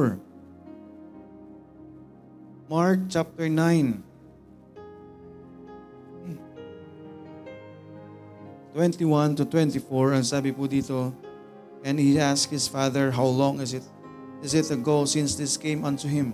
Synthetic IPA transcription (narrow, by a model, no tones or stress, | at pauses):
maɹk̚t͡ʃap̚t̪ɛɹnãjn | t̪wɛ̃nt̪iwãnt̪ʊt̪wɛ̃nt̪ifɔɹɐ̃ŋsaːbɪpud̪iːt̪o | ʔɛ̃nd̪hiaskhɪsfaðəɹɦawlɔ̃ŋɪsɪt̪ | ɪsɪt̪ɐɡoʊsɪ̃nsd̪ɪskẽɪ̃mãnt̪uɦɪ̃m